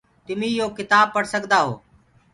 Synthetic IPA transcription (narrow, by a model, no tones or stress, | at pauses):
t̪ʊmĩːjoːkɪt̪aːb̚pəɽsəɠd̪aːɦo̰ː